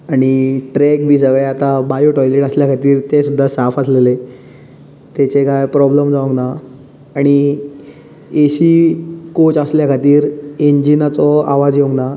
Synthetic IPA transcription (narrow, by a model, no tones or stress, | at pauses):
aɽ̃iʈɾek̚bʱiːsəɡɭeat̪abajuʈɔjleʈəsljakʰat̪iːɾt̪esud̪ʱːasafəslele | t̪et͡ɕekajpɾɔbləmd͡zaũɡnaː | ɽ̃i | eɕikot͡ɕəsljakʰat̪iːɾeɲd͡ʑinat͡sɔa̰ʋad͡zjoŋɡna